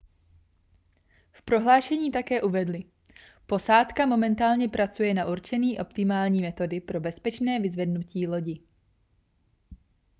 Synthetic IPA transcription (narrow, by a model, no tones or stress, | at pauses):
fpɾo̞ɦlaːʃɛɲiːt̪akɛːʔuvɛdlɪ | po̞saːt̪kamo̞mɛnt̪aːlɲɛpɾʔat͡sujɛnaʔuɾt͡ʃɛniːʔo̞pt̪ɪmaːlɲiːmɛt̪o̞dɪpɾo̞bɛspɛt͡ʃnɛːvɪzvɛdnuciːlo̞ɟɪ